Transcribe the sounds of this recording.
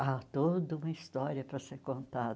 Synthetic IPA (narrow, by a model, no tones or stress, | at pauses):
at̪od̪ɐũmɐist̪ɔɾiɐpɾɐseɾkõnt̪ad̪ɐ